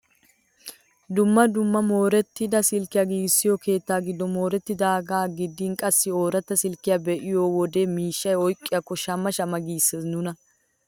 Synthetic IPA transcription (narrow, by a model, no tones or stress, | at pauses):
d̪ʊmːɐd̪ʊmːɐmo̞ːɾɛt̪ːɪd̪ɐsɪlkːɪjaːɡiːɡɪsːɪjɔke̞ːt̪ːaːɡɪd̪ːɔmo̞ːɾɛt̪ːɪd̪ɐɐɡaːɡɪd̪ːiːnkʼɐsːɪo̞ːɾɐt̪ːɐsɪlkːɪjaːbɛʔɪjoːwɔd̪e̞ːmiːʃːɐjɔjkʼːɪjakːɔʃɐmːɐʃɐmɐɡiːsːeːsnʊnɐ